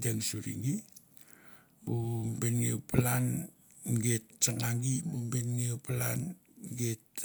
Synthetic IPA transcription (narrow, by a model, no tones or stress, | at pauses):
deŋsuɾḭŋɡi | bumbenŋiuplan | ɡet̚t͡ʃanaŋɡibumbenŋiuplan | ɡet